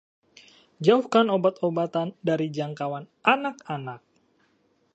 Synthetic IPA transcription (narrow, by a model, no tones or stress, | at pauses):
d͡ʒauhkanobat̪obat̪andaɾid͡ʒaŋkawanʔanakanak̚